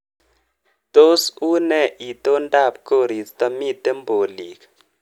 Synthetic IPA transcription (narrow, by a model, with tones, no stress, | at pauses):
to˦su˦nɛ˦˨ʔi˨to˦nda˦˨p̚ko˦˨ɾi˨tta˦mi˦t̪ɛ˦mbo˨li˨kḁ